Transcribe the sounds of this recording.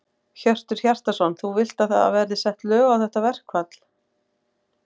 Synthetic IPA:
çœr̥t̪ʏɾ̥çar̥t̪asɔnθuvɪl̥t̪aðθaa̰vɛɾðɪsɛht̪lœːɣawθɛht̪avɛr̥kʰvat̪l̥

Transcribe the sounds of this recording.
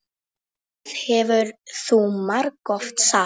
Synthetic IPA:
ðhɛvʏɾθumaɾkɔft̪sa

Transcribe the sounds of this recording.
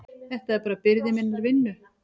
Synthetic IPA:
θɛht̪aɛɾpaːɾapɪɾðɪmɪnːaɾvɪnːʏ

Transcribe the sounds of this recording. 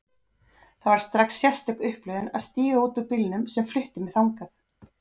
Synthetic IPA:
θavaɾ̥st̪ɾaksːjɛ̥st̪œkʏhplœɥðɪna̰ðst̪iːɣauːt̪ʏpɪlnʏmsɛmflʏht̪ɪmɛðθawŋkaθ

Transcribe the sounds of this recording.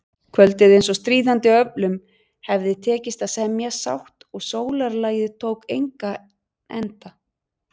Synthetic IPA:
kʰvœlt̪ɪðejns̬ɔst̪ɾiːðant̪ɪœplʏm | hɛvðɪt̪ʰɛːcɪst̪aðsɛmjasa̰wht̪ɔɣsoːwlaɾlaːjðɪt̪ʰowkejŋka | ɛ̰nt̪a

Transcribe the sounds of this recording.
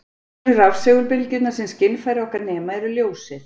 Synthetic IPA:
ɪravseɣʏlpɪlcɪt̪nḁsɛnscɪnːfajɾɪɔhkaɾnɛːmaɛɾʏljoːwsɪ

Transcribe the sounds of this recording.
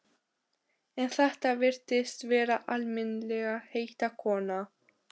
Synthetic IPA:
ɛnθɛht̪avɪɾ̥t̪ɪst̪vɛːɾaʔalmɪnlɛɣaheːjht̪akʰɔːna

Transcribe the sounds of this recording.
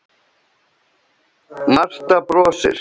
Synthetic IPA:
mar̥t̪apɾɔːsɪ̰ɾ̥

